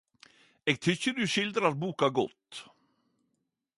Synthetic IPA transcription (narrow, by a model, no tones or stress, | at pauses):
eːɡt̪ʰʏçəd̪ʉɕɪld̪ɾat̪̚buːkaɡɔ̰t̪ː